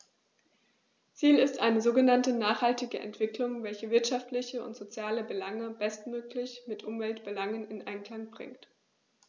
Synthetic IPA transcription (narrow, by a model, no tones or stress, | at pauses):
t͡siːlɪstʔaɪnəzoːɡənantənaːχhaltɪɡəʔɛ̰ntv̥ɪklʊŋvɛlçəvɪɐtʃaftlɪçəʊ̰ntz̥ot͡sjaːləbəlaŋəbɛstmøːklɪçmɪtʔʊmvɛltb̥əlaŋənɪnʔaɪnkl̥aŋbʁɪ̰ŋkt